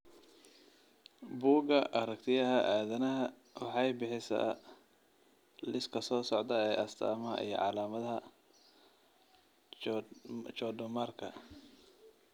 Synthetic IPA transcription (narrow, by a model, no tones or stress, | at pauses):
buːɡɐʔɐɾɐkt̪ʰɪjɐɦɐʔaːðɐnɐɦɐ | wɑħɑjbɪħɪsa̰ː | lɪskʰɐsɔːsɔʕd̪ɐɛːʔɐst̪ʰa̰ːmɐɐ̰ʔḭjɞ̰ʕɑlaːmɐðɐɦɐ | t͡ʃɔɖʊmaːrkʰɐ̰